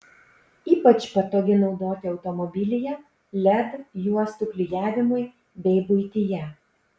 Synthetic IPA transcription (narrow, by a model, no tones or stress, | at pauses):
iːpɐt͡ʃpɐt̪oːɡʲɪnɒʊd̪oːt̪ʲɪɒʊt̪ɔmɔbʲɪlʲɪjɛ | lʲɛd̪juɔst̪ʊklʲɪjæːʋʲɪmʊɪ | bʲɛɪbʊɪt̪ʲɪjɛ